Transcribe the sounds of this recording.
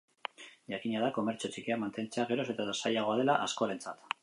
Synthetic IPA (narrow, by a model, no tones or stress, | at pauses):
ʝakiɲaðako̞me̞ɾt͡so̞t͡ʃikeamant̪e̞nt͡se̞aɣ̞e̞ɾo̞se̞t̪aðasajaɣ̞o̞að̞e̞laʔaskoaɾe̞nt͡sat̪